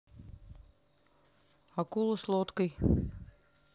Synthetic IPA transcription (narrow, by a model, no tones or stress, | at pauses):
akulˠoslˠot̪kəj